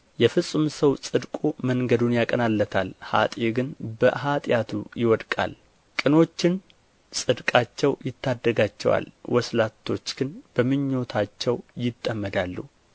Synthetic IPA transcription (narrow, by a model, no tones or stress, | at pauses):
jɛfɨsʼumsəwsʼɨd̪kʼuməŋɡəd̪unjakʼənalːət̪ʰalha̰t̪ʼeɡɨnbəɦat̪ʼjat̪ʰujɪwɔd̪kʼa̰l | kʼɨno̞t͡ʃːɪn | sʼɨd̪kʼat͡ʃːɛwjɪt̪ːad̪ːəɡat͡ʃːɛ̰wa̰lwɔslat̪ʰːo̞t͡ʃːɡ̥ɨnb̥əmɨɲːo̞t̪ʰat͡ʃːɛwjɪt̪ʼːəmːəd̪alːṵ